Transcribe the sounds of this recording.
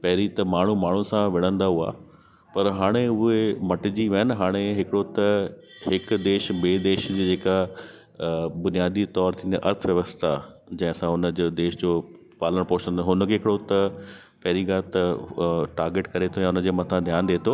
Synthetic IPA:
pɐɦɪɾit̪ɐmaːɳ̤umaːɳ̤usãʋɪɽ̃ə̃nd̪aɦua̰ː | pɐɾɦaːɽ̃eʊɦemɐʈɪd͡ʑiʋɐɦnɪɦaːɽ̃eɦɪkɪɽot̪ɐ | ɦɪkd̪eːʃbeːd̪eːʃd͡ʑeːd͡ʑeːka | bʊnijaːd̪it̪ɔːɾt̪ʰĩːnd̪aʔɐɾt̪ʰʋjɐʋəst̪ʰa | d͡ʑɐ̃ɦɪ̃sãʊnə̆d͡ʑoːd̪eːʃd͡ʑoː | paːləɽ̃poɦt͡ɕə̃nd̪ɦʊnkʰeːɦɪkɪɽot̪ɐ | pɐɦɾiɡaːlt̪ɐʈaːɾɡeːʈkɐɾet̪ʰojaʊnə̆d͡ʑeːmɐt̪ʰãd̪ʱjaːnd̪eːt̪ʰoː

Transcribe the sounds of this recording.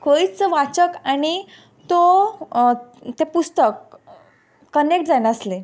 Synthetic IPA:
koit͡st͡səʋat͡səkañi | t̪o | t̪epust̪əkː | ənek̚ʈ̚d͡zaneəsle

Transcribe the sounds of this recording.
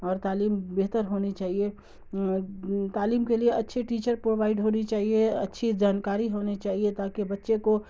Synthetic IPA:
ɔːɾt̪aːliːmbeɦt̪əɾɦoːnit͡ʃaːɦie | t̪aːliːmkelieɐtːʃʰiʈiːt͡ʃəɾpɾoːʋaːɪɖɦoːnit͡ʃaːɦieɐtːʃʰid͡ʒaːnkaːɾiɦoːnit͡ʃaːɦiet̪aːkibɐtːʃeko

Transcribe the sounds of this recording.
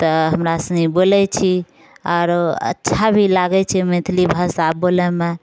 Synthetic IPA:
t̪ɔɦəmɾasəŋibolɛt͡ʃʰi | ɔːɾə̰tːʃʰabʱilaɡɛt͡ʃʰimẽt̪ʰlibʱəsabolɛme

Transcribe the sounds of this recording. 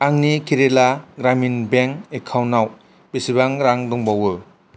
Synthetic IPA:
aŋnikʰiɾelaɡɾaminbeŋekʰawnaw | b̥esibaŋɾaŋdɔŋbawɯ

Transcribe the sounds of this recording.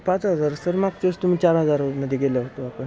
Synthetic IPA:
pãt͡sɦəd͡zaɾsəɾmaɡ̚t͡ɕeəst̪um̤iːt͡ɕaɾɦəd͡zaɾɾməd̪ʱiɡeləɦot̪oapəɳ

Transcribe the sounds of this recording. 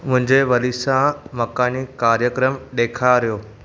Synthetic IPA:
mʊ̃ɦɪ̃ɲd͡ʑeʋɐlisãmɐkaːnikaːɾjəkɾəmɗeːkʰaɾijoː

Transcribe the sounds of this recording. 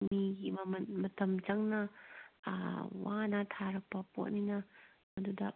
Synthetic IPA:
miɡimɐmɐnmɐtɐmd͡ʒɐŋnɐ̰ | wa̰nɐtʰaɾɐk̚pɐpo̰t̚ninɐ | mɐdudɐ̰

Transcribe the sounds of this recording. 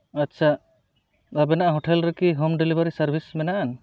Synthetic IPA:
atːt͡ʃʰa | abɛnaʔaɦɔʈʰɛlɾekiɦomɖelibaɾisaɾbʱismɛnaʔan

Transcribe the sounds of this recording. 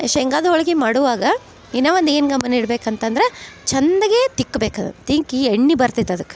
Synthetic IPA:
eʃɐɛŋɡaːd̪ɔɭɐɡimaːɽuʋaːɡɐ | inɐʋɐnd̪ueːnɡɐmːɐniɽbeːkɐnt̪ɐnd̪ɾet͡ʃɐnd̪ɐɡeːt̪ikːbeːkad̪ṵt̪iŋkieɳːibɐɾt̪it̪ːɐd̪ɐkːe̥

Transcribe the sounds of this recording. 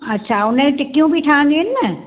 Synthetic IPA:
ɐtːʃʰaʊnẽʈɪkːijõbʱiʈʰãːnd̪inːɛ

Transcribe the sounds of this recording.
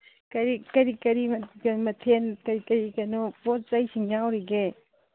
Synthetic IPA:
kɐɾikɐɾikɐɾimɐɡɐmɐtʰenkɐɾikɐɾikɐnopot̚zajsiŋjawɾiɡe

